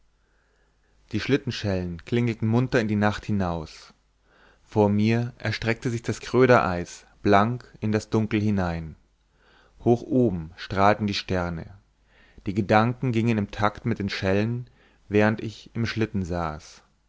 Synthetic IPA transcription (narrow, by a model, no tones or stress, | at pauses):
d̥iːʃlɪtn̩ʃɛlənkl̥ɪŋl̩tn̩mʊntɐɪndiːnaχthɪnaʊs | foːɐmiːɐʔɛɐʃtʁ̥ɛk̚təzɪçd̥askʁ̥øːɾɐʔa̰ɪs | b̥laŋkɪndasd̥ʊŋkl̩hɪnaɪn | hoːxʔoːbm̩ʃtʁ̥aːltn̩diːʃtɛɐnə̰ | d̥iːɡədaŋkŋ̩ɡɪŋənɪmtʰaktmɪt̚d̥eːnʃɛlən | vɛːʁ̞əntɪçɪmʃlɪtn̩za̰ːs